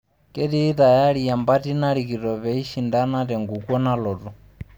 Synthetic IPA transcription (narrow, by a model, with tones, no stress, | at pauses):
kɛ˦diː˦ta˨ja˦ɺi˨ja˨mba˦ti˦na˦ɺi˨ki˨tɔ˨βɛ˨i˦ʃi˨nda˦na˦tɛ˨ŋɡu˨kɔ˦na˦lɔː˨tu˨